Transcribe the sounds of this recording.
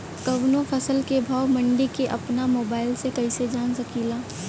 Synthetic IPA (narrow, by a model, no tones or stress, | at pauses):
kɐʋnõpʰɐsəlkebʱaːwmɐ̃ɳɖikeʔɐpnamoːbaːɪlsekɐised͡ʒaːnsɐkiːlaː